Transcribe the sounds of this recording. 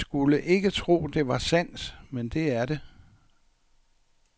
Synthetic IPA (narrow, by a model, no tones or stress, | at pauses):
sɡ̥uləʔe̝ɡ̥ət͡sʰʁo̝̰ːd̥e̝ʋɑ̈sæn̰smend̥e̝æɐɾe̝